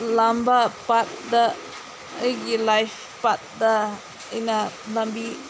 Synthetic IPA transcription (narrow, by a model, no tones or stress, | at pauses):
lambapat̪̚da | əɡilajf | pat̪̚da | inalambi